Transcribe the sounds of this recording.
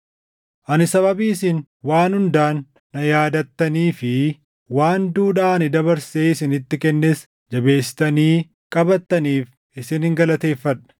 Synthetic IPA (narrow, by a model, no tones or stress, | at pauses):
ʔɐnɪsɐβɐbiːɪsɪn | waːnhʊnd̪aːnː | ɐjaːd̪ɐt̪ːɐniːfɪ | waːnd̪uːᶑaːɐnɪd̪ɐβɐɾseːɪsɪnɪt̪ːɪkɛnːes | d͡ʒɐbe̞ːsːɪ̥t̪ɐniː | kʼɐbɐt̪ːɐniːf | ɪsɪnɪŋɡɐlɐt̪e̞ːfːɐᶑɐ̥